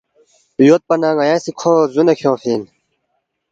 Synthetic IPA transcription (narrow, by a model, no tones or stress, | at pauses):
joːt̪̚pɐnãːɡɐjãːsikʰozunekʰjõːfiːn